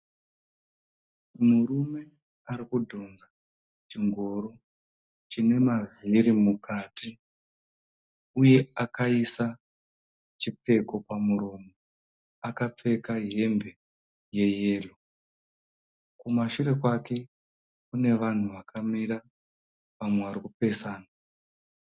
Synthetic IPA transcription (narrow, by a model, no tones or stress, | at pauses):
murume̞ | aɾikudʱo̞nza | t͡ʃiŋɡoɾo | t͡ʃine̞maviɾimukaːti | uje̞akaisa | t͡ʃip͡fe̞ko̞pamuɾo̞mo | akap͡fe̞kaɦe̞mbe̞ | je̞je̞ːlo | kumaʃuɾe̞kwake̞ | kune̞ʋan̤uʋakʰamiɾa | ʋamwe̞ʋaɾikupe̞saːna